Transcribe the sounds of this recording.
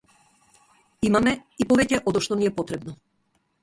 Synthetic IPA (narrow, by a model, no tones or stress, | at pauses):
imamɛipɔvɛcɛʔɔd̪ɔʃt̪ɔniɛpɔt̪ɾɛbnɔ